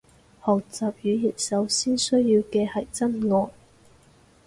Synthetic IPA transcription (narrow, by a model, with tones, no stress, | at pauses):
hɔː˨˩k̚t͡saː˨p̚jyː˨˧ji˨˩t̚sɐ˨˥wsiː˥nsɵ˥ɥjjiː˧wkɛː˧hɐ˨˩jt͡sɐ˥nŋɔː˨˧n